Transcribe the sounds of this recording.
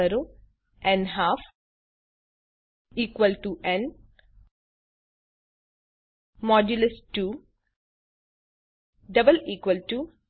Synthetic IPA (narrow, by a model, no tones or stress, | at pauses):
ɐɾoː | ɛ̃nɦaːf | iːkʋəlʈuʔẽn | mɔːd͡ʒulesʈuː | ɖɐbəliːkʋəlʈu